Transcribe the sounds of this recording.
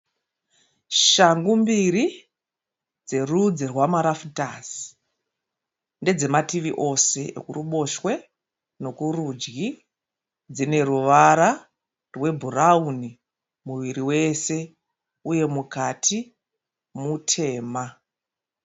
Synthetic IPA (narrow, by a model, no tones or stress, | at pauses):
ʃaŋɡumbiɾi | d͡ze̞rud͡zirwamaɾafutasi̥ | nde̞d͡ze̞matiʋiʔo̞se̞ḛkuruɓo̞ʃwe̞ | no̞kurud͡ʒɡi | d͡zine̞ruʋaɾa | rwe̞bʱurauni | muʋiɾiwe̞se̞ | uje̞mukatʰi | mutʰe̞ːma